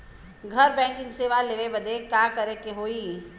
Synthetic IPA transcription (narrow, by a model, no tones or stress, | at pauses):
ɡʱɐɾbɛ̃ːŋkɪ̃ŋɡseːʋaleʋebɐd̪ekjaːkəɾekeɦoːiː